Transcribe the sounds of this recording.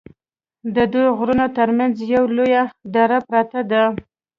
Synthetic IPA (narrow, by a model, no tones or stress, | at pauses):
d̪əd̪ujɣɾunot̪əɾmanzjawlojad̪ɑɾapɾat̪ad̪a